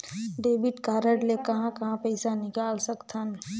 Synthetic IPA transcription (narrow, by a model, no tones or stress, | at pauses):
ɖeːbiʈkaːɾəɖlekɐɦãkɐɦãpəɪsanɪkaːlsəkt̪ʰən